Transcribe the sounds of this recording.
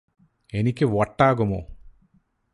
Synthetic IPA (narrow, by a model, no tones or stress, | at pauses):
enikiʋɔʈːaːɡɐmo̰ː